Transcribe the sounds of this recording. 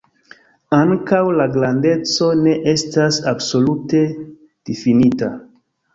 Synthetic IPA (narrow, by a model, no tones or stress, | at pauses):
aŋkawlaɡɾande̞t͡so̞ne̞ʔe̞stasabso̞lute̞ | d̥ifinita